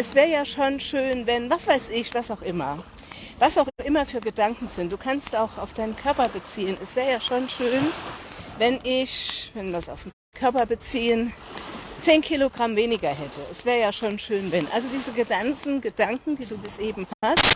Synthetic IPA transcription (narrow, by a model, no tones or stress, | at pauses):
ʔɛsv̥ɛːʁəjaːʃonʃøːnvɛnvasv̥aɪsɪçv̥asaʊxʔɪmɐ | vasaʊxʔɪmɐfyːɐɡədaŋkŋ̩zɪnt̚d̥uːkʰanstʔaʊxʔaʊfd̥aɪnənkʰœɐpɐbət͡siːənɛsv̥ɛːʁəjaːʃonʃøːnvɛnʔɪçvɛnvasa̰ʊfm̩ | kʰœɐpɐbət͡siːən | t͡seːnkʰiloɡʁamveːnɪɡɐhɛtʰəʔɛsv̥ɛːʁəjaːʃoːnʃøːnvɛnʔa̰lzodiːzəɡədant͡sn̩ɡədaŋkŋ̩d̥iːduːbɪsʔeːbm̩hast